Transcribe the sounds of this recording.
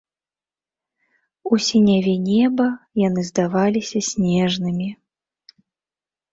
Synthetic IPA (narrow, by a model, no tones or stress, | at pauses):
usʲinʲavʲɛnʲɛbɐjan̪ɨzd̪avalʲisʲɐsʲnʲɛʐnɨmʲi